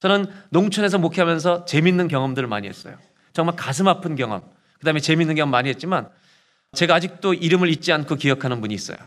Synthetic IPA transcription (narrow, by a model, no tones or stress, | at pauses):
t͡ɕʌnɯnnoŋt͡ɕʰʌne̞s̬ʰʌmokʰiamjʌns̬ʰʌt͡ɕe̞minːɯnkjʌŋʌmdɯɾɯɭma̰ɲiɦe̞s͈ʌjo | t͡ɕʌŋmaɭkas̬ʰɯmapʰɯnkjʌŋʌm | kɯdaɦɯmet͡ɕe̞minːɯnkjʌŋʌmːaɲiɦe̞t̚t͡ɕ͈iman | t͡ɕe̞ɡaːd͡ʑik̚t͈oiɾɯmɯɭit̚t͡ɕ͈iankʰokijʌkʰanɯnpuɲiːs͈ʌ̰jo̰